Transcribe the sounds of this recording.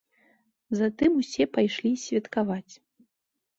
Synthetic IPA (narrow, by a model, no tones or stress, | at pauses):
zat̪ɨmusʲɛpajʂlʲisʲvʲɐt̪kavat͡sʲ